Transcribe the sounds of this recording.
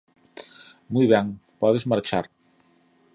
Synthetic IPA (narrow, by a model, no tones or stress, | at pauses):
mujβɛŋpɔðezmaɾt͡ʃaɾ